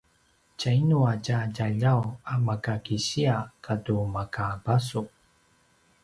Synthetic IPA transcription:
cainuacaɟaʎawamakakiɕiakʰatumakabasu

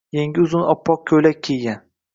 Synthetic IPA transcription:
jeŋɡʲɪʊzʊnɒpʰːɒq̚kʲʰɵjlak̚ʲkʰʲeɡʲan

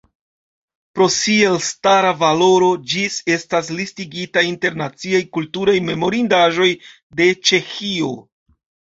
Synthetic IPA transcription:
pɾo̞sie̞lstaɾavalo̞ɾo̞d͡ʒise̞stas̬listiɡitainte̞ɾnat͡siajkultuɾajme̞mo̞ɾindaʒo̞j | de̞t͡ʃe̞xio̞

